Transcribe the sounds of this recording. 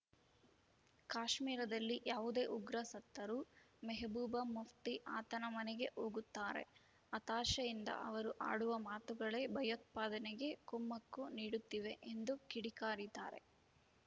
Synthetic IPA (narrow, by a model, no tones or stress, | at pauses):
kaːʃmiːɾɐd̪ɐlːiʔjaːʋud̪e̞ːʔuɡɾɐsɐt̪ːɐɾu | mɛɦbuːbɐmuʋt̪iʔaːt̪ɐnɐmɐnɛɡe̞ʔoːɡut̪ːaːɾe̞̰ | ɐt̪aːʃɐjind̪ɐ̰ʔɐ̰ʋɐɾuʔa̰ːɽuʋɐmaːt̪uɡɐɭe̞bʱɐjɐt̪̚paːd̪ɐnɛɡe̞kumːɐkːuniːɽut̪ːiʋe̞ʔend̪ukiɽikaːɾid̪aːɾe̞̰